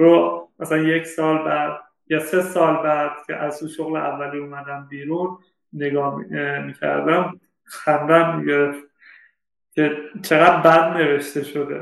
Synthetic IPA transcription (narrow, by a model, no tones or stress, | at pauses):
ɾomæsælænjecsɒːlbæd̪̥̚ | jɒse̞sɒːlbæd̪̥̚cʲʰḛʔæzuːʃoɣleʔævːæliːumæd̪æmbiːɾuːnː | eɡɒːmiːcʰæ̰ɾd̪æm | xænd̪æmmiɟeɾef | cʰe̞t͡ʃʰeɣæd̪̚bæd̪ne̞ve̞ʃt̪e̞ʃo̞d̪e̞̰